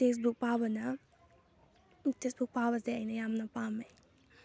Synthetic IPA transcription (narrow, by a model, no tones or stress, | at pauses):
tes̬buk̚pabɐnɐ | utesbuk̚pabɐzeɐjnɐjamnɐpamej